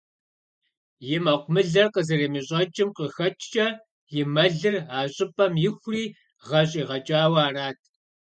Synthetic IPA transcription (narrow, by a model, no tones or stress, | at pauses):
jɪmɐqʷʊmɨɮɐrqəzɨreːmɨɕʼɐt͡ʃʼɪmqəxɐt͡ʃʰʼt͡ʃʼɐ | jɪmɐɮɨraːɕʼɪpʼɐmjɪxʷriː | ʁɐɕʼiːʁɐt͡ʃʼaːwaːraːtʰ